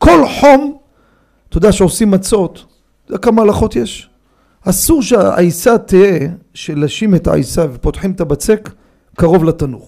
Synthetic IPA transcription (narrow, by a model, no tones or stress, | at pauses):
ko̞lħo̞m | t̪od̪aʃeo̞simːat͡so̞t̪ | odakamaːlaχo̞t̪je̞ʃ | asuʁʃeaʔa̰jsat̪ieʃe̞laʃimeta̰a̰jsavepo̞t̪ħimet̪abat͡se̞kː | aʁo̞vlat̪anuχ